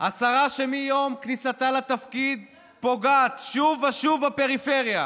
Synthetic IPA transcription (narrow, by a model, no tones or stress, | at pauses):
ʔasaʁaʃemijo̞mknisat̪alat̪afkid̪ | po̞ɡat̪ʃuvaʃuvape̞ʁife̞ʁja